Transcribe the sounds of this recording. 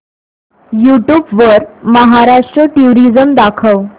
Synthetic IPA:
juʈjuːbʋəɾməɦaɾaʂʈɾəʈuɾid͡zəmd̪akʰəʋ

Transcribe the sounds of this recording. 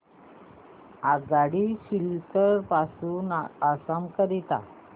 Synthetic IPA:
aɡaɽiɕiltəɾpasuːnasamkəɾit̪a̰

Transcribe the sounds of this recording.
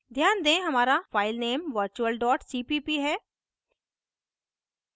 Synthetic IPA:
d̪ʱjaːnd̪ẽɦɐmaːɾafaːɪlneːmʋəɾt͡ʃuəlɖɔːʈsiːpiːpiɦɛː

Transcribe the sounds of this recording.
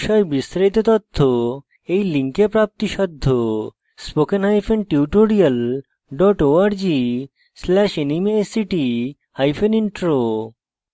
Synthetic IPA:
ʃɔebist̪ɾit̪ot̪ot̪ʰːo | ejliŋkepɾap̚t̪iʃɔd̪ʱːo | spokenɦajfʰenʈiuʈoɾial | ɖɔʈoaɾd͡ʑi | slɛʃinimesiʈi | hajfʰeniɳʈɾo

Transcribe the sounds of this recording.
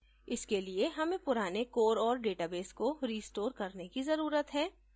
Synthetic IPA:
ɪskelieɦɐmẽpʊɾaːnekoːɾɔːɾɖeːʈaːbeːskoɾiːsʈoːɾkɐɾnekizɐɾuːɾət̪ɦɛː

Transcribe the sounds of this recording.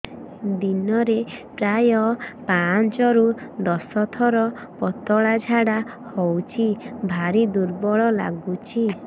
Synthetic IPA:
d̪inɔɾeʈɾajɔpant͡ʃɔɾud̪ɔsɔt̪ʰɔɾɔ | pɔt̪ɔɭad͡ʒʱaɽahɔwt͡ʃʰibʱaɾid̪uɾbɔɭɔla̰ɡut͡ʃʰi

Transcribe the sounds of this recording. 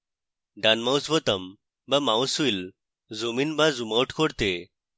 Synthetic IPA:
ɖanmawsbɔt̪əm | bamawsuil | zominbazumawʈʰkɔɽt̪e

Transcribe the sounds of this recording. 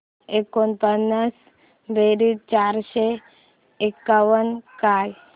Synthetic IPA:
ekːonpənːəs | beɾid̪̚t͡ʃaɾʃe | ekːaʋənkaj

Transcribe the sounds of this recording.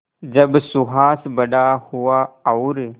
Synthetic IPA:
d͡ʒɐbsuɦaːsbəɖahuaːwɾ

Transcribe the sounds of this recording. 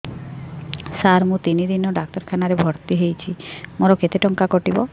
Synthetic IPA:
saɾmũt̪inid̪inɔɖak̚tɔɾkʰanaɾebʱɔɾt̪iɦejt͡ʃʰimoɾɔket̪eʈɔŋkakɔʈibɔ

